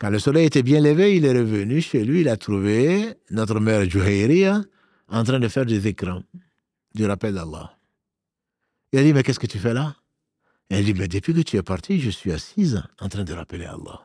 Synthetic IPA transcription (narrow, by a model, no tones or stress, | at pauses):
kãləsɔlɛjet̪ɛbjɛ̃ləveilɛʁəvənyʃelɥiːlat̪ʁuvenɔt̪ɾəmɛʁʒuɦejɾia | ɑ̃t̪ɾɛ̃d̪əfɛʁd̪ezekɾɑ̃ | d̪yʁapɛld̪alːa̰ | ɛlad̪imɛkɛskət̪yfɛla | ɛld̪imɛd̪əpɥikət̪yɛpaʁt̪ʰiʒəsɥiasizɑ̃t̪χɾɛ̃d̪əʁapəlea̰lˠːa̰